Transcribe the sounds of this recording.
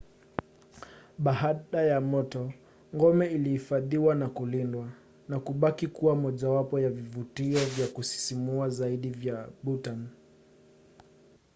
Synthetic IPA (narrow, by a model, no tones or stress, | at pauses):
ɓaɦaɗajamɔtɔ | ŋɡɔmɛilihifaðiwanakulindwa | nakuɓakikuwamɔʄawapɔjavivutiɔvjakusi̥simuazaiɗivjaɓutan